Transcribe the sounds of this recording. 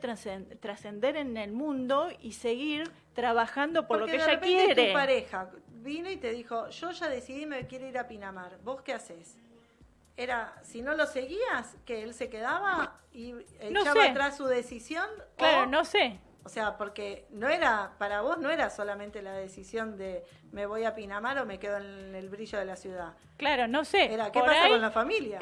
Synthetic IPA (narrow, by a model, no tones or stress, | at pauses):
t̪ɾaset̪ɾase̞nd̪e̞ɾe̞nelmũnd̪o̞ise̞ɣiɾ | t̪ɾaβaxand̪o̞poɾlokekeeʒakpejnet̪etɾuepaɾexaβino̞it̪e̞ðixo̞ʒ̥o̞ʒaðe̞siðimekje̞ɾoiɾapinamaɾβo̞skeases | eɾasino̞lo̞se̞ɣiaskeelse̞keðaβa | ienot͡ʃaβat̪ɾasːuðe̞sisjo̞nloaɾonose | oseapo̞ɾkeno̞eɾapaɾaβo̞znoe̞ɾaso̞lamẽnt̪e̞lað̞e̞sisjo̞nd̪e̞ | me̞βo̞japinamaɾo̞me̞ke̞ðoenelβɾiʒo̞ð̞elasjuð̞a | klaɾonoseeɾakepassakonlafamilja